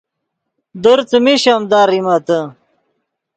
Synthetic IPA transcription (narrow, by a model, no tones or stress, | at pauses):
d̪oɾt͡səmiɕamd̪aːɾimat̪ə